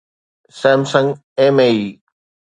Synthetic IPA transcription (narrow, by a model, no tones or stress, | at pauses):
sɛ̃ːmsə̃ŋɡ | ẽːmeiː